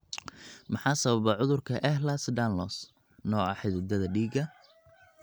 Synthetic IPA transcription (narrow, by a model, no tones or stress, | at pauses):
mɑħɑːsɐβɐβɛʕʊðʊrkʰɐʔɛhlasɖ̪anlɔs | nɔːɑħɪðɪd̪ɐðɐɖiːɡɐ